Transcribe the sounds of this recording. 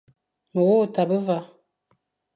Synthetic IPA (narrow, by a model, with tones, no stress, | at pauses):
mə˨wo˦˨ta˨bə˦va˦˨